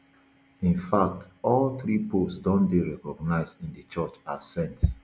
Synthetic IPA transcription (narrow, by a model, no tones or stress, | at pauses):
ĩnfak̚tɔlθɹipʰosdɔ̃ndeɹɛkɔɡ̚naɪzdĩndət͡ʃɜt͡ʃasɛ̃nts